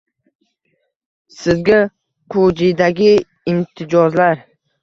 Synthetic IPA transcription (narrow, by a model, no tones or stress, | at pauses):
sɪzɡʲa | qʰod͡ʒid̪aɡʲɪ | ɪmt̪ʰɪd͡ʒɒzlaɾ